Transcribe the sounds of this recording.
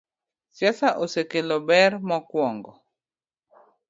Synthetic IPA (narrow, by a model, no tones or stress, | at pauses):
sjasaʔosekelɔbɛɾmɔkwɔŋɡɔ